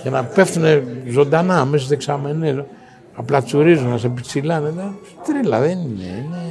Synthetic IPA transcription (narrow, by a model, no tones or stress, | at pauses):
ʝenɐpe̞fθunezo̞nd̪anɐːmes̬ɐs̬t̪ieksame̞nes | aplɐt͡suɾizunnɐs̬epit͡silɐnet̪e | t̪ɾilɐ̰ðeninḛene